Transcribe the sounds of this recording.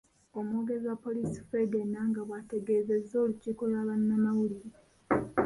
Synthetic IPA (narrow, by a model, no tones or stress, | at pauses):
o̞muoːɡe̞ziwapːo̞lisi̥feɡenːaːŋɡaβwate̞ɡe̞ːzezːo̞ːlucikolaβanːamawuliɾe